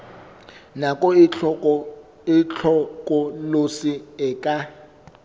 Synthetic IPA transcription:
nakʼɔɔ | ɪt͡ɬʰɔkʼɔlosiɪkʼa

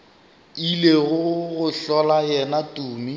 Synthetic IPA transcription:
ileɣʊɣʊɬɔlajɛnatʼuːmi

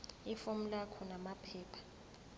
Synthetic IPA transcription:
ifom̩lakʰɔnamapʰɛːpʰḁ

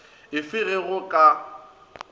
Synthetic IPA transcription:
ɪfɪɣɪɣʊkʼa

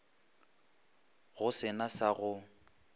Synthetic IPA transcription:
ɣʊsɪnasaɣʊ

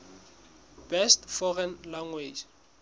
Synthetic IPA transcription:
b̥ɛstfɔrɛnlaŋwed͡ʒ

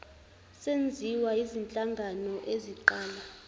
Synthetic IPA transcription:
send͡zʱiwaizint͡ɬʼaŋɡʱanɔʔeziǃaːla

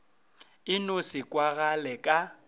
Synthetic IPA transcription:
ɪnʊsɪkʼwaɣalɛkʼa

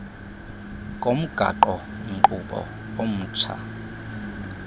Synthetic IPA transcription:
kʼom̩ɡ̥ʱa̰ǃɔ | ŋǃʼuɓɔ̰ | om̩ːt͡ʃʰa̰

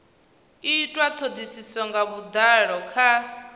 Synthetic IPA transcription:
itʼwat̪ʰod̪isisɔŋɡaβud̪aɺɔkʰa

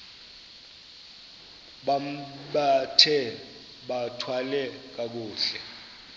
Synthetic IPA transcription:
ɓamɓatʰɛ | ɓatʰwalɛk̬ʼak̬uːɬɛ

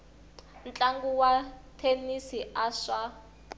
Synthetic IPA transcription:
n̩t͡ɬʼaŋɡuwatʰenisiaʂa

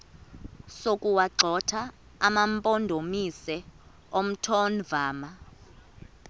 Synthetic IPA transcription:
sokʼuwaǀʱɔtʰa | a̰mampʼondʱomisɛ | om̩tʰɔnvaːma

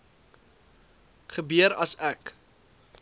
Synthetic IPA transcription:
χəbyəɾɐsæk

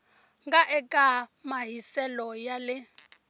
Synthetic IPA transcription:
ŋɡaʔɛkʼamaɦisɛlɔjalɪ

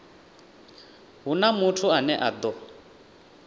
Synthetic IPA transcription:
ɦunamutʰuanɛʔad̪ɔ

